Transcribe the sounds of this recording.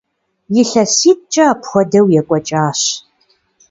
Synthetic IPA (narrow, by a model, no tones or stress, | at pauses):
jɪɬɐsiːt̚t͡ʃʼɐːpʰχʷɔdɐwjɛkʷʼɔt͡ʃʼaːɕ